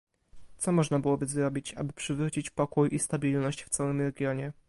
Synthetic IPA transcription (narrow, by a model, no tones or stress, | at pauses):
t̪sɔmɔʐnabɘwɔbɘzɾɔbʲit͡ɕa̰bɘpʂɘvɾut͡ɕit͡ɕpɔkujʔist̪abʲilnɔɕt͡ɕft̪sawɘmɾɛɡʲjɔɲɛ